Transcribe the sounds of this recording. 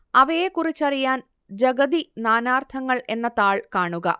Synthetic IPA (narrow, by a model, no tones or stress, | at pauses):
ɐʋɐjekurit͡ɕːɐrijaːn | d͡ʑɐɡɐðinaːnaːrt̪ʰɐŋːɐɭʔe̞nːɐt̪aːɭkaːɳuɣɐ̰